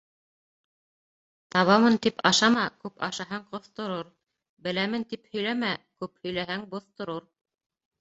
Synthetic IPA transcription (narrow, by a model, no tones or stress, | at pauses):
t̪ɑβɑmɤnt̪ipɑʃɑmɑkʉpɑ̰ʃɑɦɑɴqŏθt̪ŏɾoɾ | bɘ̆læmɘnt̪iphɵ̆jlæmækʉphɵ̆jlæɦæŋbŏθt̪ŏɾoɾ